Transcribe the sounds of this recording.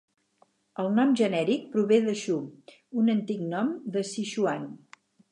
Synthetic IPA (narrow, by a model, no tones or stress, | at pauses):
əlˠnɔmʒənɛɾik̚pɾuβeðəʃu | unənt̪iknɔmd̪əsiʃuan